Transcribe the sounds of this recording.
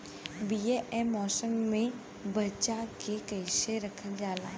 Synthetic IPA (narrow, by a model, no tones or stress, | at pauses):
biːeʔɛmɔːsəmːẽ | bɐt͡ʃakekɐɪʃeɾɐkʰəld͡ʒaːlaː